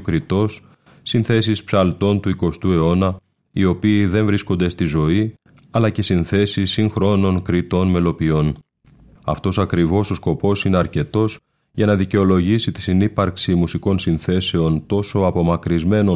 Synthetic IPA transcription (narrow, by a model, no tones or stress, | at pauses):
kɾit̪o̞s | sinθe̞sispsɐlt̪o̞nt̪uiko̞st̪ue̞o̞nɐ | io̞piːðe̞ɱvɾisko̞nd̪e̞st̪izo̞i | ɐlɐce̞sinθe̞sisːiŋxɾo̞no̞ŋkɾit̪o̞nme̞lo̞pio̞n | ɐ̰ft̪o̞sɐkɾivo̞so̞sko̞po̞sine̞ɐɾce̞t̪o̞s | ʝɐnɐðice̞o̞lo̞ʝisit̪i̥sinipɐɾksimusiko̞nsinθe̞se̞o̞nt̪o̞so̞ɐpo̞mɐkɾizme̞no